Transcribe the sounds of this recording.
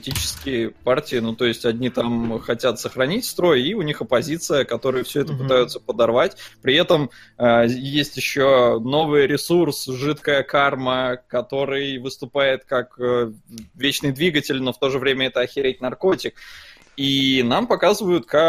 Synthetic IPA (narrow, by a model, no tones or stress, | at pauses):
pəɪtʲit͡ɕɪ̥skʲɪjəpartʲɪɪnut̪o̞ɪsʲtʲɐdʲnʲit̪amxɐtʲat̪səxɾɐnʲitʲst̪ɾo̞jiʊnʲixɐpɐzʲit̪sɨjəkɐt̪o̞ɾɨjəfsʲɵɛt̪əpɨt̪ajʊt̪səpəd̪ɐrvatʲpɾʲɪɛt̪əm | əjesʲtʲjɪɕːono̞vɨjɾʲɪsursʐɨt̪kəjəkarməkɐt̪o̞ɾɨjvɨst̪ʊpajɪt̪kakəvʲet͡ɕnɨjd̪vʲiɡətʲɪlʲno̞ft̪o̞ʐɨvɾʲemʲəɛt̪əɐxʲɪɾʲet̚ʲnɐrko̞tʲɪk̚ | inampɐkazɨvəjʊt̪ka